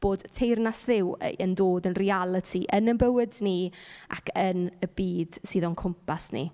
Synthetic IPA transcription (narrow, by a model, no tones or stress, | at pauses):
b̥oːd̥tʰejrnasðɪw̰əndoːdənrialˠətʰiʔənənbəwɪdnia̰kʰənəbiːd̥siːðɔnkʰʊmpʰasnḭ